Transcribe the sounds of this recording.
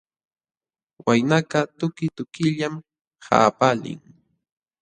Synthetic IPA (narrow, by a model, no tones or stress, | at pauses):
wajnakɑt̪ʊkɪt̪ʊkɪʎam | ha̰ːpalɪ̰ŋ